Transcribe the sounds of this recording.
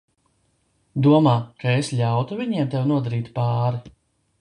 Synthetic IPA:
d̪uɔmaːkaeslʲawt̪uvʲiɲiɛmt̪ewnuɔd̪aɾiːt̪paːɾi

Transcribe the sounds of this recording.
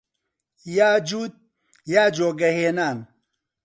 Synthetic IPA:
jad͡ʒud̪̚ | jad͡ʒoɡɐhenan

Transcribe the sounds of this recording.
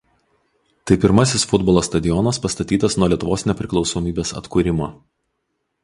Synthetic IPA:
t̪ɐɪpʲɪɾmɐsʲɪsfʊd̪bɔlˠoːst̪ɐd̪ʲɪjɔnɐspɐst̪ɐt̪ʲiːt̪ɐsnuɔlʲiɛt̪ʊʋoːsnʲɛpʲɾʲɪklˠɒʊsɔmʲiːbʲeːsɐ̰t̪kuːɾʲɪmoː

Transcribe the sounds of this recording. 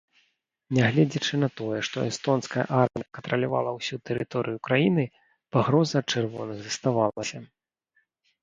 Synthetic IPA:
nʲɛɣlʲɛd͡zʲɐt͡ʂɨnɐt̪ɔjɛʂt̪ɔ̰ʔɛst̪ɔnskɐjɐ̰ʔarmʲijɐkɐnt̪ɾɐlʲava̰lˠɐwsʲut̪ɛɾɨt̪ɔɾɨjukɾajinɨ | paɣɾɔzɐːt̪̚t͡ʂɨrvɔnɨɣzɐst̪avalˠɐsʲɐ

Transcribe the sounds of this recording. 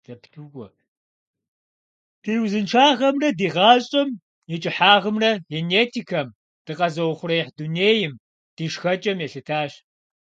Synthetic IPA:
z̥ɐptʰuɡʷɔ | tʰiːwzɨnʈ͡ʂʰaːʁɐmrɐdiːʁɑːɕʼɐm | jɛt͡ʃʼɪħaːʁəmrɐɣeneːtʰikʰɐm | d̥ɨqɐzɐwχʷʊrɐjɛħduneːjɪm | d̥iːʂxɐt͡ʃʼɐmjɛɬɨtʰaːɕ

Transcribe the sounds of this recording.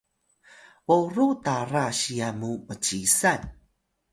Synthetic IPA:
voɾutaɾaɕiamumət͡ɕisan

